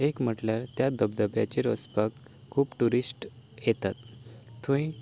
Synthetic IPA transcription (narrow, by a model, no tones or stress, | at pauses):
ekm̤əʈljaɾt̪jad̪əbd̪əbja̰t͡ɕeɾəspəkʰː | uːpʈuɾisʈjet̪at̪ːʰũĩ